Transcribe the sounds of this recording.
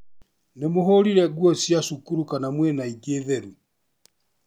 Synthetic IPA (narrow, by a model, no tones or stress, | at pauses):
nemoɦoɾiɾɛɡuɔsjasukuɾukanamwɛnaiɡeːðɛɾu